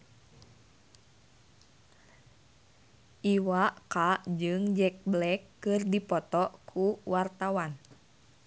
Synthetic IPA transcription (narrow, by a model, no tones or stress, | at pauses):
ʔiwaʔkad͡ʒɨŋd͡ʒɛk̚blɛkːɨrdipɔt̪ɔʔkʰuwart̪awan